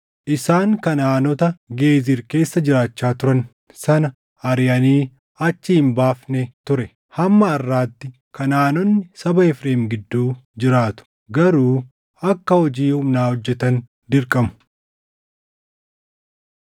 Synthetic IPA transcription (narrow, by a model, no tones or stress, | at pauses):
ʔɪsaːŋkɐnaːnɔt̪ɐɡe̞ːziɾke̞ːsːɐd͡ʒɪɾaːt͡ʃːaːt̪ʊɾɐn | sɐnɐ | ɐɾjɐniː | ɐt͡ʃːɪhɪmbaːfnɛt̪ʊɾɛ | hɐmːɐːrːaːt̪ːɪ | kɐnaːnɔnːɪsɐbɐɛfɾeːmɡɪd̪ːuːd͡ʒɪɾaːt̪ʊ̥ | ɡɐɾuː | ɐkːɐhɔd͡ʒiːhʊmnaːhɔd͡ʒːɛt̪ɐn | d̪ɪɾkʼɐmʊ̥